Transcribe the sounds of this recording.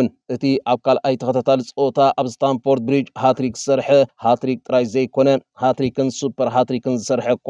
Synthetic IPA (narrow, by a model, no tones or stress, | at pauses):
nʔɨt̪ʰiʔaβkʰalʔajt̪ʰɐkɐt̪ʰat̪ʰalɨt͡sʼot̪ʰaʔaβst̪ʰanfo̞ɾt̪̚bɾid͡ʒhat̪ɾikzɨsɐɾħɐhat̪ɾik̚t̪ʼɨɾajzɐjkʰo̞nɐhat̪ɾikʰɨnsupʰːɐɾɦat̪ɾikɨnzɨsɐɾħɐkʰː